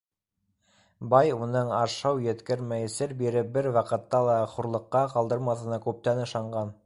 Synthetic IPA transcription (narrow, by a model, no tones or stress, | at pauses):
bɑjunɤɴɑʃɑwjɘ̆t̪kɘɾmæjɘ̆sɘɾbiɾɘp̚bɘɾwɑqɤ̆t̪ːɑlˠɑχuɾlˠɤ̆qːɑqɑlˠd̪ɤɾmɑθɤ̆nɑkʉp̚t̪ænɤ̆ʃɑɴɢɑn